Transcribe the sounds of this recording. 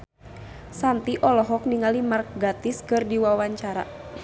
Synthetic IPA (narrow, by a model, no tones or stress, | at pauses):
sant̪iʔɔlɔɦɔk̚niŋalimark̚ɡat̪ɪskɨrdiwawaɲt͡ʃaɾa̰